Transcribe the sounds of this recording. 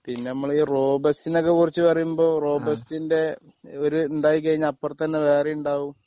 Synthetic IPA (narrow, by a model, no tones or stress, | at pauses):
pinːe̞nɐmːɐɭiːro̞ːbɐstinokːekurit͡ɕːɨpɐrɐjumbo̞ːro̞ːbɐstinde̞ | oɾuːɳɖaːkikːɐɻiɲːaɐpːɐrt̪ɐnːeʋe̞ːrejuɳɖaːʋum